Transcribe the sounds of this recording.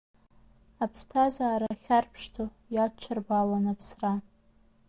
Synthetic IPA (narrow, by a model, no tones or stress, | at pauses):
apʰstʰazaːɾaχʲarpʰʂtʰo | jat͡ʃʷʰarbalanapʰsra